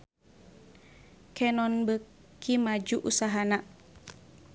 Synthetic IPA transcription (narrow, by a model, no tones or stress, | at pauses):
kɛnɔnbə | kimad͡ʒuʔusaɦana